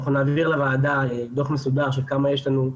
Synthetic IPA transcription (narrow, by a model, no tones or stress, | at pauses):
χunaːviʁlavaːdad̪oχmesud̪aʁʃ̬ekamajɛʃ̬lanu